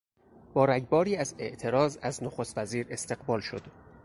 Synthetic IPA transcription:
b̥ɒːɾæɟbɒːɾiːæze̞̰ʔt̪ʰe̞ɾɒːzæznoxost̪væziːɾe̞st̪e̞ɣɢbɒːlʃo̞d̪̥

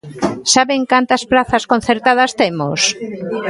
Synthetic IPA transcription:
saβeŋkant̪ɐsplaθɐskon̟θeɾt̪að̞ɐst̪emo̰s

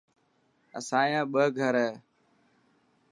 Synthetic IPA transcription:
ə̰sãːjãːɓəːɡʱəɾəː

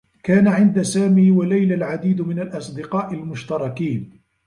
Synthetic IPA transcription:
kaːnaʕɪnd̪asaːmiːwalajlalʕad̪iːd̪mɪnalʔɑsˤd̪ɪqɑːʔɪlmʊʃt̪ɑɾˤɑkiːn

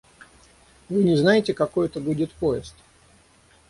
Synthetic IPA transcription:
vɨnʲɪznajɪtʲɪkɐko̞jɛt̪əbudʲɪt̪poɪst̪

